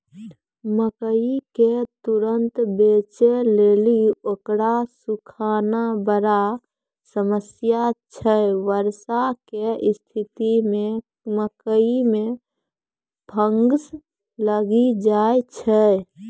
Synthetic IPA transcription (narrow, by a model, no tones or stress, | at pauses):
məkəiket̪uɾənt̪bet͡ʃeleliokɾasukʰanabəɾa | səməsjat͡ʃʰəʋəɾsakest̪ʰit̪imẽ | məkəime | bʱəŋɡs | ləɡid͡ʒaet͡ʃʰə